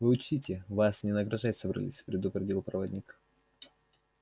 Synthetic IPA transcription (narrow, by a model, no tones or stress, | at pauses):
vɨʊt͡ɕtʲitʲɪvasnʲɪnəɡɾɐʐatʲsəbɾɐ̰lʲḭsʲpɾʲɪd̪ʊpɾʲɪdʲilˠpɾɐvɐd̪ʲnʲik